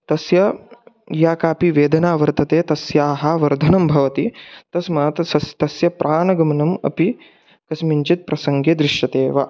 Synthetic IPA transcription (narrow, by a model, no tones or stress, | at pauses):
t̪ɐsjɐ | jaːkaːpiʋeːd̪ɐnaːʋɐɾt̪ɐt̪eːt̪ɐsjaːɦɐʋɐɾd̪ʱɐnɐmbʱɐʋɐt̪it̪ɐsmaːt̪ɐsɐst̪ɐsjɐpɾʔaːnɐɡɐmɐnɐmɐ̰pi | kɐsmiɲt͡ʃit̪̚pɾɐsɐŋɡeːd̪ɾɪʃjɐt̪eːʋɐ